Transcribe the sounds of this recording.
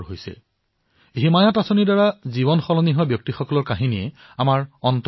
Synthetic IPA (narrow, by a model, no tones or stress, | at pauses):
ɦojsɛ̰ | ɦimajɔtasonidaɹaziβɔnxɔlɔniɦɔbjɔk̚tixɔkɔlɔɹkaɦiniɛ | amaɹɔnt